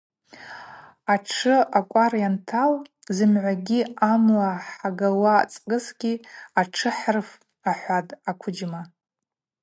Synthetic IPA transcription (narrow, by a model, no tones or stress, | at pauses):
aʈ͡ʂʰɨakʷʼarjantʰal | zɨmʕʷaɡʲiamlaħaɡawa̰t͡sʼkʼɨsɡʲiaʈ͡ʂʰɨħrf | aħʷatʼakʷʰʊd͡ʒma